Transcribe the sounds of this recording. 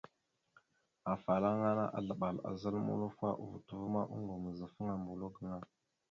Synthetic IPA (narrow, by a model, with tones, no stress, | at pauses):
a˨fa˨la˦ŋa˦na̰˦ʔa˨ɮə˨ɓa˨la̰˨zə˦lmṵ˦lu˦fa˦ʔṵ˦˨vu˨tu˨və˦ma˦ʔṵ˦ŋɡu˨mə˨zə˨fə˦ŋa˨mbu˨lo˦ɡə˨ŋa˦